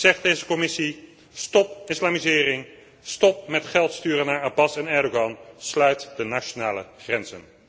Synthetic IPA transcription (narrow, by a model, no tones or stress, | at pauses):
z̥ɛχd̚dejzəkɔmɪsi | stɔpɪslaːmizɪːrɪŋ | stɔp̚mɛtχɛlˠtstyːrənaːɹabɑsɛnɛɹdoɡɑnslœɥtdənaʃonaːləχrɛnzə̰n